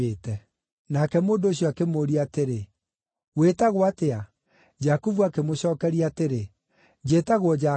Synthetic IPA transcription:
etɛ | nakɛmoːndoːɕjɔakemoɾiateɾe | wetaɣwatea | d͡ʒakuvuakemoɕɔːkɛɾiateɾe | d͡ʑeːtaɣwɔd͡ʒa

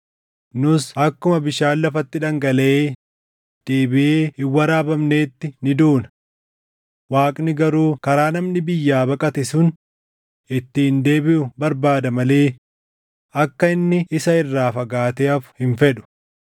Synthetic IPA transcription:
nʊsɐkːʊmɐbɪʃaːlːɐfɐt̪ːɪᶑɐŋɡɐlɐʔeː | d̪̥eːbɪʔeːɪwːɐɾaːbɐmne̞ːt̪ːɪnɪd̪uːnɐ̥ | waːkʼnɪɡɐɾuːkɐɾaːnɐmnɪbɪjːaːbɐkʼɐt̪ɛsʊn | ɪt̪ːɪhɪnd̪e̞ːbɪʔʊbɐɾbaːd̪ɐmɐleː | ʔɐkːɐɪnːɪɪsɐɪrːaːfɐɡaːt̪eːɐfʊ̥hɪɱfɛᶑʊ̥

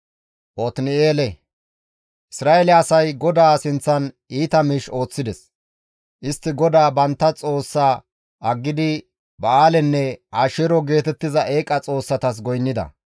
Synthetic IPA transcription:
ʔɔt̪nɪeːlɛ | ʔɪsɾaːʔɛlɛɐsɐjɡɔd̪aːsɪnt͡sːɐn | iːt̪ɐmiːʃo̞ːt͡sːɪd̪ɛs | ʔɪst̪ːɪɡɔd̪aːbɐnt̪ːɐt͡sʼo̞ːsːaː | ɐɡːɪd̪ɪ | bɐaːlɛnːɛaːʃɛɾɔɡe̞ːt̪ɛt̪ːɪzɐʔeːkʼːɐt͡sʼo̞ːsːɐt̪ɐs̬ɡɔjnːɪd̪ɐ̰

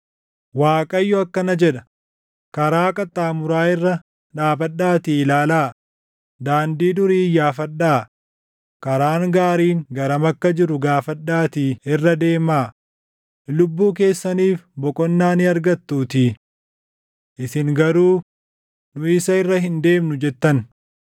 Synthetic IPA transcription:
waːkʼɐjːɔɐkːɐnɐd͡ʒɛᶑɐ | kɐɾaːkʼɐt̪ʼːaːmʊɾaːɪrːɐ | ᶑaːbɐɗːaːt̪ɪːlaːlaː | d̪aːnd̪iːd̪ʊɾiːjːaːfɐᶑːaː | kɐɾaːŋɡaːɾiːŋɡɐɾɐmɐkːɐd͡ʒɪɾʊɡaːfɐᶑːaːt̪iːɪrːɐd̪e̞ːmaː | lʊbːuːk̬e̞ːsːɐniːfbɔkʼɔnːaːnɪɐɾɡɐt̪ːuːt̪ɪ | ʔɪsɪŋɡɐɾuː | nʊɪsɐɪrːɐɦɪnd̪e̞ːmnʊd͡ʒɛt̪ːɐn

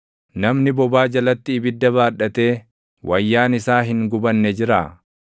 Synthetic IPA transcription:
nɐmnɪbɔbaːd͡ʒɐlɐt̪ːɪːbɪd̪ːɐβaːᶑɐt̪e̞ː | wʔɐjːaːnɪsaːɦɪŋɡʊbɐnːɛd͡ʒɪɾa̰ː

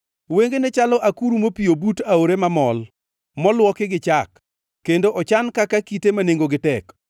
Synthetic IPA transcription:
weŋɡenet͡ʃalɔʔakuɾumopiobutaoɾemamɔl | mɔlwɔkɪɡɪt͡ʃakː | endoʔɔt͡ʃankakakitemaneŋɡoɡɪtɛk

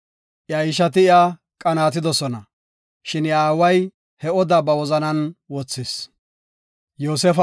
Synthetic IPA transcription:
ʔjɐjɪʃ̬ɐt̪ɪɪa | kʼɐnaːt̪ɪd̪ɔsɔnɐ | ʃɪnɪjaːwɐj | hɛɔd̪ɐbɐwɔzɐnɐnwɔt͡sːɪs | joːsɛfɐ

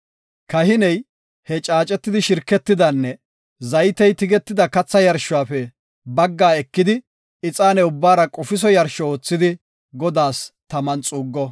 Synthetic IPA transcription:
kɐhɪnɛj | hɛt͡ʃʼaːt͡ʃʼːɛt̪ːɪd̪ɪʃɪɾkːɛt̪ːɪd̪ɐnːɛ | zɐjt̪ɛjt̪ɪɡɛt̪ːɪd̪ɐkɐt͡sːɐjɐɾʃʊwaːfɛ | bɐɡːaːɛkːɪd̪ɪ | ɪt͡sʼaːnɛʊbːaːɾɐkʼɔfɪs̬ɔjɐɾʃɔoːt͡sːɪd̪ɪ | ɡɔd̪aːst̪ɐmɐnt͡sʼuːɡːɔ

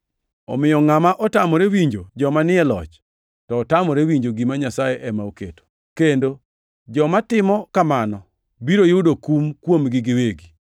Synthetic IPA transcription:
ɔ̰mɪjɔŋamaʔɔtamɔɾewiɲd͡ʒod͡ʒɔmanɪɛlɔ̰t͡ʃ | tɔːtamɔɾewiɲd͡ʒoɡimaɲasajeʔɛmaokḛto̥ | kendo | d͡ʒɔmatɪmɔkamanɔ | biɾojudokumkwomɡɪɡɪweɡi

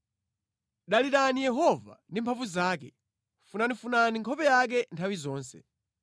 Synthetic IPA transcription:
ɗaliɾanijɛɦɔva̰ndimpʰaɱvuzaːkɛ | funanifunaniŋkʰɔpɛjak̬ɛntʰawizɔːnsɛ̰

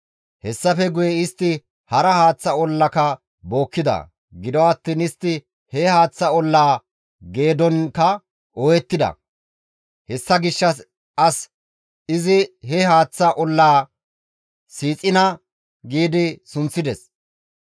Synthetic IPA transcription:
hɛsːɐfɛɡʊjɛɪst̪ːɪ | hɐɾɐhaːt͡sːɐɔlːɐkɐ | bo̞ːkːɪd̪ɐ̰ | ɡɪd̪ɔwɐt̪ːiːnɪst̪ːɪ | hɛhaːt͡sːɐɔlːaː | ɡe̞ːd̪ɔnkɐ | ʔɔjɛt̪ːɪd̪ɐ̰ | hɛsːɐɡɪʃːɐs | ʔɐs | ɪzɪhɛhaːt͡sːɐʔɔlːaː | siːt͡sʼɪnɐ | ɡiːd̪ɪsʊnt͡sːɪd̪ɛs

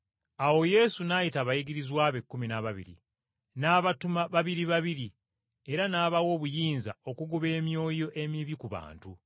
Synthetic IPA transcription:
awo̞je̞sunajitaβajiɡiɾizwaːβekːuminaβaβḭɾḭ | naːβatumaβaβiɾiβaβiɾi | e̞ɾanaːβawo̞ːβujiːnza̰o̞kuɡuβe̞ːmjo̞ːjo̞ʔe̞miβikuβa̰ːntu

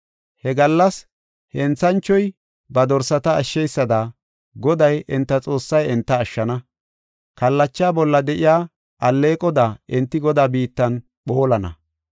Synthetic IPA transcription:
hɛɡɐlːɐs | hɛnt͡sːɐnt͡ʃːɔj | bɐd̪ɔɾsɐt̪ɐɐʃːɛjsːɐd̪a | ɡɔd̪ɐjʔɪnt̪ːɐt͡sʼo̞ːsːɐjɛnt̪ːɐːʃːɐnɐ | kɐlːɐt͡ʃːaːbɔlːɐd̪ɛʔɪjaː | ʔɐlːe̞ːkʼɔd̪aːɪnt̪ːɪɡɔd̪aːbiːt̪ːɐn | ɓo̞ːlɐnɐ̰

